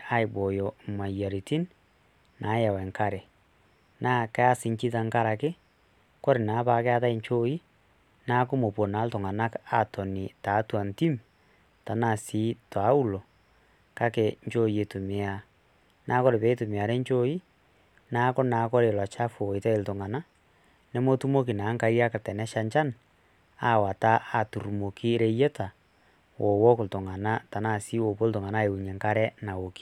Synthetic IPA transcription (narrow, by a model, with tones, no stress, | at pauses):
a˦i˨bo˨jo˨ma˨ja˨ɾi˨ti˦n | nʔa˨˦ja˨we˨ŋka˦ɾe˨ | na˦kɛ˦a˦si˨ɲt͡ʃi˦ta˦ŋka˦ɾa˨ke˦ | kɔ˦ɾe˨na˨˦βa˨ke˦a˦ða˦i˦ɲt͡ʃo˦i˦ | na˦ko˦mo˨po˨na˨˦lto˨ŋɡa˨na˦ka˨tɔ˨ni˨ta˨˦twa˨nti˦m | ta˨na˦˨si˨˦twa˨˦u˦lo˨ | ka˦ke˨ɲt͡ʃo˦je˨tu˨me˨a˦ | nʔa˨˦kɔ˦ɾe˨βe˦e˦tu˨me˨a˨ɾe˦ɲt͡ʃo˦i˦ | na˦kɔ˦na˨kɔ˦ɾe˨lwa˨t͡ʃa˦fo˨i˨tɛ˦e˨lto˨ŋa˨na˦ | ne˦mo˦tu˦mo˦k̬i˨na˨˦ŋka˦i˦ɾa˦ka˨tɛ˨nɛ˦ʃa˦ɲt͡ʃa˦n | a˦wa˨ta˦ʔa˨tu˨ɾu˨mo˨ki˦ɾe˦je˦ta˨ | wʔo˨wɔ˦ko˨lto˨ŋɡa˨na˦ta˨na˨si˨˦wo˨βo˦lto˨ŋɡa˨na˦e˨u˨ɲe˨ŋka˦ɾɛ˦na˨wo˨ki̥˦